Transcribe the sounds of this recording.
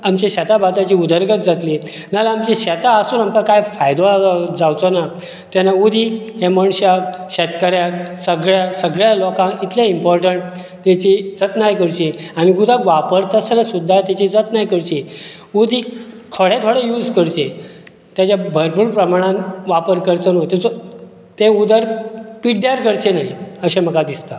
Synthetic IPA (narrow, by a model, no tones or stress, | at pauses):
amt͡ɕeɕɛt̪abat̪at͡ɕiːud̪əɾɡət̪d͡zat̪li | nalaamt͡ɕiɕɛt̪aəsuːnamkakajfajd̪od͡zawt͡sona | t̪janaud̪ʱiɦɛməɳɕakɕɛt̪kaɾjaksəɡɭjasəɡɭjalɔkãit̪ʰlãimpɔɾʈəɳʈ | t̪at͡ɕid͡zət̪najkəɾt͡ɕiañiɡud̪ʱãkʋapəɾt̪asanasud̪ʱːat̪jat͡ɕid͡zət̪najkəɾt͡ɕi | ud̪ʱi | kʰəɽẽt̪ʰoɽejuːd͡zkəɾt͡ɕe | t̪jat͡ɕabʱəɾpuɾpɾəmaɽ̃ãnʋapəɾkəɾt͡sənot̪et͡sɔ | t̪eud̪əɾpiɖjaɾkəɾt͡ɕenaɦiəɕem̤əkad̪ist̪a